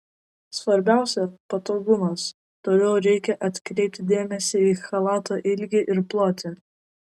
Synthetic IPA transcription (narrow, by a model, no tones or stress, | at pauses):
sʋɐɾʲbʲæˑʊsʲɛpɐt̪oːɡʊmɐs | t̪oːlʲɛʊɾʲɛɪkʲɛʔɐt̪ʲkɾʲɛɪp̚ʲt̪ʲɪd̪ʲeːmʲɛsʲɪiːxɐlˠɑːt̪oːʔɪlʲɡʲɪʔɪɾplˠoːt̪ʲɪ